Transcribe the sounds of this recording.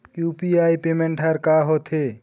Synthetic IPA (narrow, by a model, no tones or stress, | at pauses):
kjupiajpemeɳʈʰaɾkaɦot̪ʰe